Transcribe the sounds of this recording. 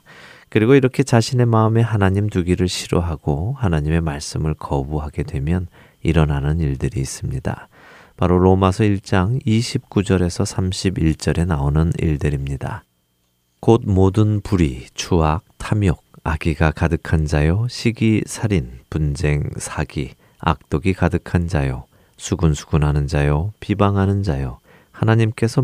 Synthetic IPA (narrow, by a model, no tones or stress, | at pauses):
kɯɾiɡoiɾʌkʰe̞t͡ɕaɕʰine̞maɯme̞ɦanaɲimtuɡiɾɯɭɕʰiɾoɦaɡ̥ohanaɲime̞maɭs͈ɯmɯɭkʰʌbuɦaɡe̞dwe̞mjʌn | iɾʌnanɯniɭdɯɾiːs͈ɯmɲida̰ | paɾoɾomasʰʌiɭt͡ɕ͈aŋiɕʰip̚k͈ud͡ʑʌɾe̞sʰʌsʰamɕʰibiɭt͡ɕ͈ʌɾe̞naonɯnḭɭdɯɾimɲida̰ | kot̚modɯnpuɾit͡ɕʰuak̚tʰamjoɡ̚aɡiɡakadɯkʰand͡ʑajoɕʰiɡisʰaɾinpund͡ʑe̞ŋsʰaɡi | a̰k̚t͈oɡikadɯkʰand͡ʑajo | sʰuɡunsʰu̥ɡ̥unɦanɯnd͡ʑajopibaŋɦanɯnd͡ʑajo | hanaɲimk͈e̞sʰʌ